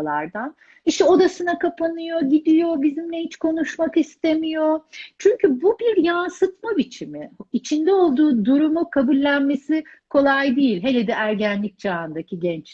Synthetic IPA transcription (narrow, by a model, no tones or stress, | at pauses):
lˠa̰ɾd̪an | iʃt̪ɛo̞d̪asɯnakʰapʰanɯjo̞ɟid̪ijo̞bizimlʲɛhit͡ʃkʰo̞nuʃmakist̪e̞mijo̞t͡ʃʰyɲcʰybubiɾjansɯt̪mabit͡ʃʰimɪit͡ʃʰind̪ɛo̞lˠd̪uːd̪uɾumukʰabulʲːænme̞sikʰo̞lˠajd̪ijilʲɦe̞lʲed̪ɛʔæɾɟænlʲic̚d͡ʒaːɯnd̪akciɟɛnt͡ʃ